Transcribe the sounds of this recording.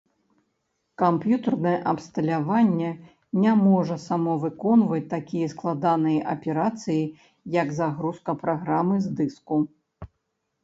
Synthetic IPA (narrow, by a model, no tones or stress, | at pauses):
kampjut̪ɐrnɐjɛʔɐpst̪ɐlʲavanʲːɛ | nʲamɔʐɐsamɔvɨkɔnvɐt͡sʲt̪akʲijɐsklˠad̪anɨjɐʔɐpʲɛɾat̪sɨji | jɐɡzaɣɾuskɐpɾaɣɾamɨzd̪ɨsku